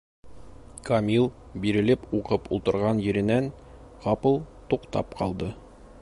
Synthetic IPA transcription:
kɐmʲilˠ | biɾɘ̆lɘpuqɤpulˠt̪ɤ̆ɾʁɑnjɘ̆ɾɘ̆næn | ʁɒpɤlˠt̪uqt̪ɑ̰pqɒ̰lˠd̪ɤ

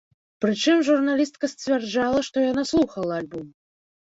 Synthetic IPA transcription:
pɾɨt͡ʂɨmʐurnalʲist̪̚kɐsʲt͡sʲvʲɛrd͡ʐalˠɐʂt̪ɔjanaslˠuxɐlˠɐalʲbum

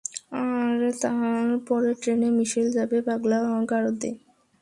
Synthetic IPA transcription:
aɾt̪aɾpɔɾeʈɾenemiʃild͡ʑabebaɡlaɡaɾod̪ḛ

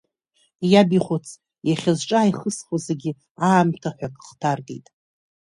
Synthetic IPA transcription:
jabiχʷot͡sʰ | jaχʲazʈ͡ʂʼaːjχəsχʷozeɡʲɪ | aːmtʰaħʷᶣakʼχtʰarɡʼejtʼ

